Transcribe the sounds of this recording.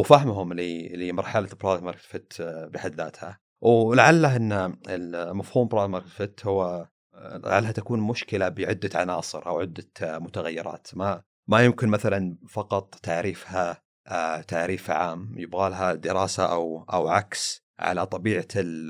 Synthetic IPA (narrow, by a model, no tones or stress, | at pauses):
wfaɦmɦʊmlilimɑɾˤħalabɾˤɑːðmɑɾˤk̪fɪt̪bɪħad̪ːa̰ːt̪ha | wlaʕalːaʔɪnːaɪlmafhuːmbɾˤɑːðmɑɾk̪fɪt̪hʊwːa | a̰ʕa̰lːat̪akuːnmʊʃkɪlabɪʕʊd̪ːaʕa̰nɑːsˤɨɾʔa̰wʕɪd̪ːamʊt̪aɣajːɪɾˤɑ̰ːt̪ma | majʊmkɪnmaθalanfɑqɑt̪ˤt̪ːaʕɾiːfha | t̪aʕɾiːfʕaːmːjɪbɣaːlɦad̪ɪɾɑːsaʔawʔa̰wʕa̰ks | ʕa̰lat̪ˤɑbiːʕal